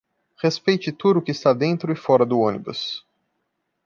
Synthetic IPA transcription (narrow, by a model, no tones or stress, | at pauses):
hespejt͡ʃɪt̪ud̪ʊːkɪːst̪ad̪ẽnt̪ɾʊɪfɔɾɐd̪ʊõnibʊ̰s